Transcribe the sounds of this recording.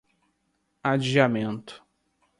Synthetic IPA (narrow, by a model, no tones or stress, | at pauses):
ad͡ʒiamẽnt̪ʊ̥